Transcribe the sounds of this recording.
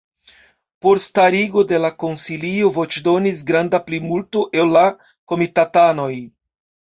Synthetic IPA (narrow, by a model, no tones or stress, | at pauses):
po̞ɾstaɾiɡo̞de̞lako̞nsiliovo̞t͡ʃdo̞nis̬ɡɾandaplimultuʔellːa | ko̞mitatano̞j